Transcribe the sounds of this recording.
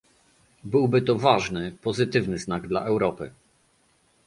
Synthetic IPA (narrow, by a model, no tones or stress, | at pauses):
bɘwbɘt̪ɔvaʐnɘpɔzɘt̪ɘvnɘznaɡd̪la̰ʔɛwɾɔpɘ̰